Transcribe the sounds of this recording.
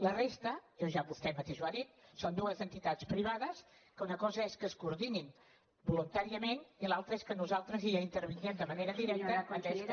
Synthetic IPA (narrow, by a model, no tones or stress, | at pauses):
lərest̪əjoʒaβust̪ɛmət̪eʃwaðit̪sond̪uəzənt̪it̪at͡spɾiβ̞aðəskəunəkɔzəeskəskuɾðinin | bulunt̪aɾiəmenilˠalˠt̪ɾəeskənuzalˠt̪ɾəziəint̪əɾβinɛmd̪əməneɾəðiɾɛk̚t̪əkant̪ɛs